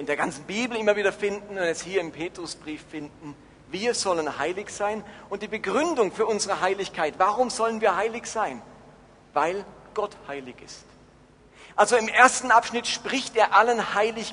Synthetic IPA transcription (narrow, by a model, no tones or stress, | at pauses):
ʔɪndeːɐɡant͡sn̩biːbl̩ɪmɐviːdɐfɪndn̩ʊntɛshiːɐɪmpʰeːtʁ̥ʊsb̥ʁiːfːɪndn̩ | viːɐzɔlənhaɪlɪçz̥aɪnʔʊntd̥iːbəɡʁʏndʊŋfyːɐʔʊnzəʁəɦaɪlɪçkʰaɪtv̥aːʁʊmzɔlənviːɐhaɪlɪçz̥aɪn | vaɪlɡ̥ɔthaɪlɪçɪ̰st | ʔalzoɪmʔeːɐstn̩ʔapʃnɪtʃpʁ̥ɪçteːɐʔalənhaɪlɪç